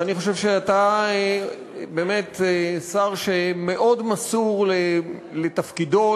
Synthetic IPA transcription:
aniχo̞ʃevʃeatae | be̞ːmetesaʁʃeme̞ʔo̞dmasuʁlelet̪afkido̞

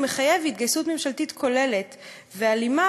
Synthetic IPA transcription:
meχaje̞vit̚ɡajsutme̞mʃaltitkʰo̞le̞le̞t | vealima

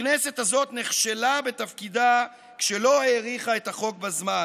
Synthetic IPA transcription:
neset̪hazo̞t̪neχʃelabe̞t̪afkid̪a | kʃe̞lo̞ajeʁiχae̞t̪aχo̞k̚bazma

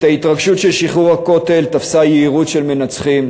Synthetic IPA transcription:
t̪ait̪ʁaɡʃutʃelʃiχuʁhako̞t̪e̞lt̪afsajeiʁutʃe̞lme̞nat͡sχim

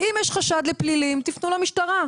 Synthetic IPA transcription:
imjeʃχaʃad̪leplilimt̪ifnulamiʃtaʁa

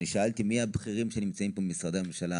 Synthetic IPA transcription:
iʃaalt̪imiabχiʁimʃenimt͡saimpomisʁad̪aamemʃala

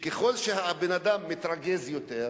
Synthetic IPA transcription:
keχo̞lʃeɦabenad̪amːit̪ɾaɡezjot̪eʁ

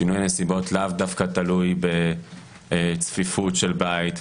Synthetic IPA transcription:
inujanesibotlavdafkat̪alujbe | t͡sfifutʃe̞lbait̪

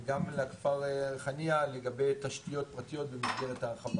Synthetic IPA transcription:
ɡamlakfaʁeχanialeɡabe̞jt̪aʃtijo̞t̚pʁat̪ijo̞t̪bemasɡelethaχav

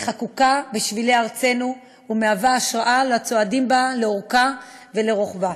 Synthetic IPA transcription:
χakukabiʃvileaʁt͡se̞nu | umeavaːʃʁaʔalat͡soadimbaleoʁka | ve̞leʁoχba

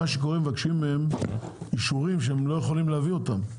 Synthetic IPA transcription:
aʃeko̞ʁemevakʃimːeemiʃuʁimʃeemlo̞jeχolimleavio̞t̪am

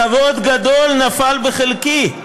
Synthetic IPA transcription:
ɐvod̪ɡɐd̪olnɐfalbəxɪlki

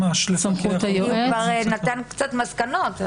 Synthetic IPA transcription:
maʃlsɐmχut̪ajovaʁnat̪ankt͡sat̪maskanot

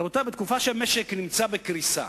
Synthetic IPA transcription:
ot̪abet̪̚kufaʃelmeʃeknimt͡sabekɾisa̰

